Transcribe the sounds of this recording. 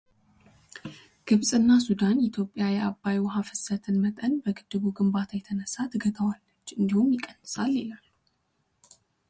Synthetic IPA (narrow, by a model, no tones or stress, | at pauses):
ɡ̥ɨβsʼɨnːasud̪anɪt̪ʰjo̞pʼjajɛabːajwɦafɨsət̪ʰɨnmət̪ʼənbəɡɨd̪ːɨβuɡɨmbat̪ʰajɛt̪ʰənəsat̪ʰɨɡət̪ʰəwalːət͡ʃːɨnd̪ihumjɪkʼːənːɨsaljelal